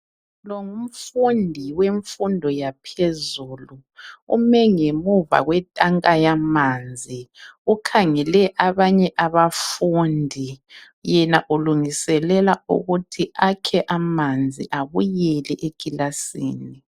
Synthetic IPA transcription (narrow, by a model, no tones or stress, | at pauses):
lɔŋum̩fundʱiweɱfundʱɔjapʰezuːlu | ṵmɛŋemuva̰ɣwɛtʼaŋkʼajamand͡zʱiukʰaŋɛlɛʔaβaɲɛʔaβafundʱi | jɛnaʔuluŋisɛlɛlaṵɣutʰiakʰɛʔamand͡zʱiʔaβujɛlɛʔeɡ̥ʱilasḭːni